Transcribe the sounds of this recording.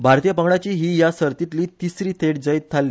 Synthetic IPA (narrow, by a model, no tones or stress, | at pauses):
bʱaɾt̪ijəpəŋɽat͡ɕiːɦiːjasəɾt̪it̪liːt̪isɾiːt̪ʰeɽ̚d͡zait̪̚t̪ʰːalːi